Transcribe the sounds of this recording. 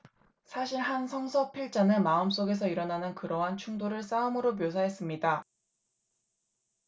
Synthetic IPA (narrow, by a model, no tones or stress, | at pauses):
sʰaɕʰiɭɦansʰʌŋsʰʌpʰiɭt͡ɕ͈anɯmaɯms͈oɡe̞s̬ʰʌiɾʌnanɯnkɯɾʌɦant͡ɕʰuŋdoɾɯɭs͈aɯmɯɾomjosʰaɦe̞s͈ɯmɲida